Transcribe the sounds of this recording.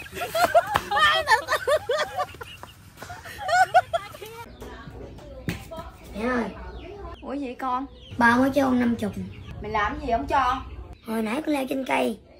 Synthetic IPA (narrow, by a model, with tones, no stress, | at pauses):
aː˧jɗə˨˩t̪ə˨ | mɛ˨˦ʔəː˧jʔu˨˧˩əzḭ˧˨kɔ˧n | ɓaː˧˩mo˧˦jt͡ɕo˧na˧mt͡ɕʊ˨˩k͡p̚mï˨˩ŋ̟laː˨˩mzi˨˩hə˨˦ŋ͡mt͡ɕɔ˧ʔo˨˩jna˨˦jkɔ˨˦lɛ˧wt͡ɕe˧nkə˧j